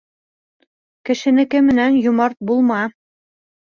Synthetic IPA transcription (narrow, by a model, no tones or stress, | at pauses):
kɘ̆ʃɘ̆nɘ̆kɘmɘ̆nænjŏmɑɾt̪̚bulˠmɑ